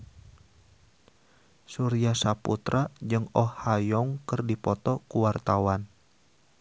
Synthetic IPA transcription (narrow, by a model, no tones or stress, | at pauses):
suɾiasaput̪ɾʔad͡ʒɨŋɔːajɔŋkərdipɔt̪ɔkuwart̪awan